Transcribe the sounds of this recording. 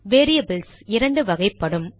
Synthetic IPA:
ʋeːɾijɐbɯlsɪɾɐɳɖɯʋɐɣɐɪpːɐɽɯm

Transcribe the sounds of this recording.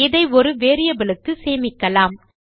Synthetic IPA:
ɪðɐɪɔɾɯʋeːɾɪjɐbɪɭɯkːɯseːmɪkːɐlaːm

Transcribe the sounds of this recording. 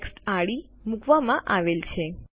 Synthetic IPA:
ksʈaɭimũkʰʋamãʔaʋelt͡ʃʰe

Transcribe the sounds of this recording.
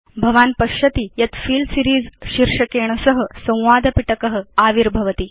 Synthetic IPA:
bʱɐʋaːnpɐʃɐt̪ijɐt̪fiːlsiɾiːd͡zɕiɾʂɐkeːɳ̃ɐsɐɦə̆sɐ̃w̃ʋaːd̪ʱɐpiʈɐkɐɦə̆aːʋiɾbʱɐʋɐt̪i

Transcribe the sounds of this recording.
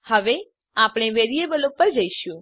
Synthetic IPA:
həʋe | apɽ̃eʋeɾiebəlopːəɾd͡ʒəiʃjũ

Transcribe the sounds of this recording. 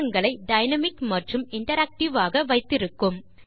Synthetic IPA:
ɐŋɡɐɭɐɪɖɐɪnɐmɪkmɐʈrɯmɪɳʈɐɾaːk̚ʈɪʋaːɣɐʋɐɪt̪ːɪɾɯkːɯm

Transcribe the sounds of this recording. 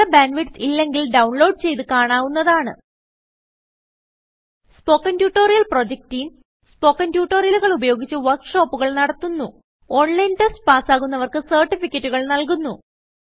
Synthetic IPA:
ɐbaːnʋiʈsilːe̞ŋɡilɖɐwɳlo̞ːɖ̚t͡ɕe̞jt̪ɨkaːɳaːʋunːɐðaːɳɨ̰ | spo̞ːkːɐntjuːʈːo̞ːɾijɐlpro̞ːd͡ʑek̚tijum | spo̞ːkːɐntjuːʈːoːɾijɐluɣɐɭubɐjo̞ːɡit͡ɕːɨʋɐrkʂo̞ːpːuɣɐɭnɐɽɐt̪ːunːu | o̞ːɳlɐjntɐstpaːsaːɣunːɐʋɐrkɨsɐrʈːifikʲːɐtːuɣɐɭnɐlkunːu

